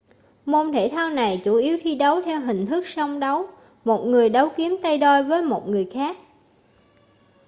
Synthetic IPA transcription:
mo˧nt̪ʰe˧˩t̪ʰaː˧wna˨˩jt͡ɕu˧˩ʔi˨˦əwt̪ʰi˧ɗə˨˦wt̪ʰɛ˧wɦï˨˩ŋ̟t̪ʰɨ˦˥k̚sa˧wŋ͡mɗə˨˦w | mo˨˩t̚ŋɨ˨˩əjɗə˨˦wki˨˦əmt̪ə˧jɗɔ˧jvəː˨˦jmo˨˩t̚ŋɨ˨˩əjxaː˦˥k̚

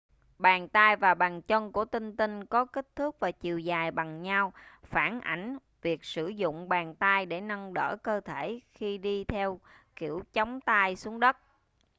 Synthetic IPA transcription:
ɓaː˨˩nt̪aː˧jvaː˨˩ɓaː˨˩ŋt͡ɕə˧nku˧˩ət̪ï˧ŋ̟t̪i˧ŋkɔ˨˦ki˦˥k̟̚t̪ʰɨ˦˥k̚vaː˨˩t͡ɕi˨˩əwzaː˨˩jɓa˨˩ŋɲa˧wfaː˧˩nʔa̰˧˩jŋ̟ | vi˨˩ək̚sɨ˧˩zʊ̰˧˨ŋ͡mɓaː˨˩nt̪aː˧jɗe˧˩nə˧ŋɗə̰ː˧˩kəː˧t̪ʰe˧˩xi˧ɗi˧t̪ʰɛ˧w | kḭ˧˩əwt͡ɕɔ˨˦wŋ͡mt̪aː˧jsu˨˦əŋɗə˦˥t̚

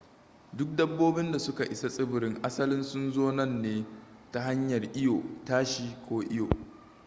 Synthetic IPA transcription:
dʊ˦k̚dɐ˦bːoː˦bɪ˦nda˨sʊ˦ka˨ʔɪ˨sa˦sʼɪ˦bɪ˨ɾɪ˦ŋʔa˦sɐ˦lɪ˦nsʊ˦nzoː˦nɐ˦˨nːeː˦ta˦ɦa˦ɲjɐ˨rʔɪ˦joː˨taː˦ʃiː˦kʷoː˦ʔɪ˦jo̰ː˨ʔ

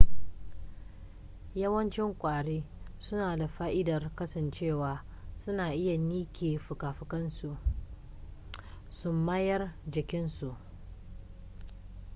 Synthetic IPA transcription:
jɐ˦wɐ˦nt͡ʃɪ˦ŋkʷʼaː˨ɽeː˦sʊ˦naː˨da˨ɸaː˦ʔɪ˦dɐ˨rkɐ˦sɐ˨nt͡ʃeː˦˨waː˨ | sʊ˦naː˨ʔɪ˦ja˨niː˦kʲeː˨ɸʊ˨kaː˨ɸɪ˨kɐ˦nsu˨ | sʊ˦mːaː˦jɐ˦rd͡ʒɪ˨kʲɪ˦nsu˨ʔ

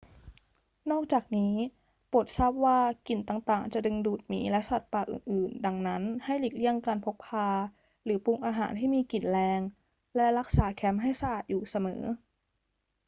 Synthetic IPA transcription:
nɔː˥˩k̚t͡ɕaː˨˩k̚niː˦˥ | po˨˩t̪̚saː˥˩p̚waː˥˩ki˨˩nt̪aː˨˩ŋt̪aː˨˩ŋt͡ɕa˨˩dɯ˧ŋduː˨˩t̪̚miː˩˦lɛ˦˥ʔsa˨˩t̪̚paː˨˩ʔɯ̰ː˨˩nʔɯː˨˩nda˧ŋna˦˥nha˥˩jliː˨˩k̚li˥˩əŋkaː˧npʰo˦˥k̚pʰːaː˧ | ɾɯː˩˦pu˧ŋʔaː˧ɦaː˩˦nt̪ʰiː˥˩miː˧ki˨˩nlɛː˧ŋ | lɛ˦˥lɾa˦˥k̚saː˨˩˦kʰɛ˦˥mɦa˥˩jsa˧ʔaː˨˩t̪̚juː˨˩sa˧mɤ̰ː˩˦

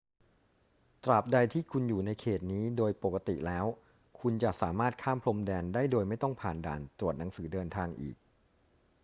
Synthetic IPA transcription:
t̪ɾa˨˩p̚da˧jt̪ʰiː˥˩kʰu˧njuː˨˩na˧jkʰeː˨˩t̪̚niː˦˥doː˧jpo˨˩kːa˧t̪ḭ˨˩lɛː˦˥w | kʰu˧nt͡ɕa˨˩ʔsaː˩˦maː˥˩t̪̚kʰaː˥˩mpʰlo˧mdɛː˧ndaː˥˩jdoː˧jma˥˩jt̪ɔ˥˩ŋpʰaː˨˩nda̰ː˨˩nt̪ɾu˨˩ət̪̚na˩˦ŋsɯː˩˦dɤː˧nt̪ʰaː˧ŋʔḭː˨˩k̚

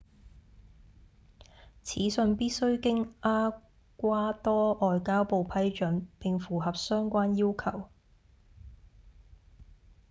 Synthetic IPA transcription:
t͡sʰḭː˨˥sɵ˧npiː˥t̚sɵ˥ɥkɪ˥ŋaː˥ | kʷaː˥t̪ɔː˥ʔɔː˨jkaː˥wpo˨wpʰɐ˨˥jt͡ʃɵ˨˥npɪ˨ŋfuː˨˩ɦɐ˨p̚sœː˥ŋkʷaː˥njiː˥wkʰɐ˨˩w

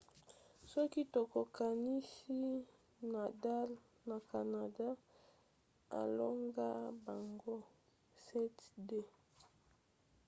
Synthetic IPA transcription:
sɔ˦ki˦to˨ko˨ka˨ni˦si˦ | na˨da˦l | na˨ka˨na˨da˦ | a̰˨lo˦ŋɡa˦ba˨ŋɡo˦ | sɛ˦tde˦

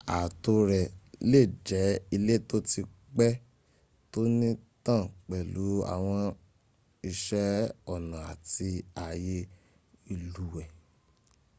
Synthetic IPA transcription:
a˨to˧ɾɛ˨le˦˨d͡ʒɛ˨˦i˧le˦to˦ti˧ | k͡pɛ˦ | to˦nĩ˦tã˦˨k͡pɛ˨lu˨˦a̰˨w̃ɔ̃˧ | i˧ʃɛ˦ɔ˦˨nã˨a̰˨ti˧a˨je˧ | i˦˨lu˨˦wɛ˨

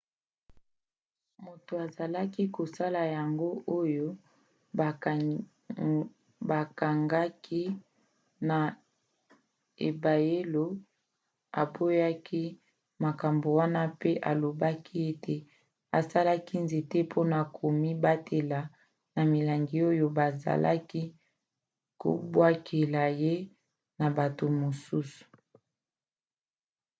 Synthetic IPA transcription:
mo˨to˨a˨za˨la˦ki˦ko˨sa˦la˨ja˨ŋɡo˦ʔo˦jo˦˨ | ba˨ka˨ŋɡa˦kʰi˦ | na˨ | e˨ba˨je˦lo˦ | a˨bo˦ja˦ki˦ | ma˨ka˨mbo˨wa˦na˦pe˦ʔa˨lo˨ba˦kʰi˦e˦tʰe˨ | a˨sa˦la˦ki˦nze˨te˦pʰo˦na˨kʰo˨mi˦ba˦tʰe˨la˨ | na˨mi˨la˨ŋɡi˨o˦jo˨ba˨za̰˨lʔa̰˦ki˦ | ko̰˨bwa˦kʰe˨la˨je˦ | na˨ba˨to˨mo˨su˦su̥˨

